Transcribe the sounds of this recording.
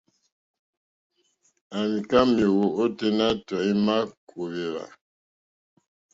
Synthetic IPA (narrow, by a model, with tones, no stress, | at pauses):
a˨mi˨ka˦me˨wo˨o˦te˦na˦tɔ˨i˦ma˦kʰo˨βe˨ɾa̰˨